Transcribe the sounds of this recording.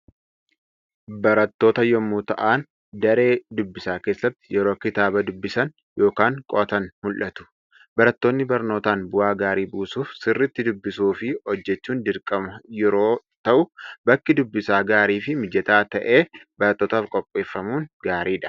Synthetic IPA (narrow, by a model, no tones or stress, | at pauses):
bɐɾɐt̪ːo̞ːt̪ɐjɔmːuːt̪ɐʔaːn | d̪ɐɾe̞ːd̪ʊbːɪsaːke̞ːsːɐt̪ːɪ̥jɛɾo̞ːkɪt̪aːbɐd̪ʊbːɪsɐn | jo̞ːkaːŋkʼɔʔɐt̪ɐnmʊlʔɐt̪ʊ̥ | bɐɾɐt̪ːo̞ːnːɪbɐɾno̞ːt̪aːnbʊʔaːɡaːɾiːbuːsuːfsɪrːɪt̪ːɪd̪ʊbːɪsuːfɪɔd͡ʒːɛt͡ʃːuːnd̪ɪɾkʼɐmɐjɛɾoː | t̪ɐʔʊbɐkːɪd̪ʊbːɪsaːɡaːɾiːfɪmɪd͡ʒɛt̪aːt̪ɐʔe̞ːbɐɾɐt̪ːo̞ːt̪aːfkʼɔpʼːe̞ːfːɐmuːnɡaːɾiːᶑɐ̥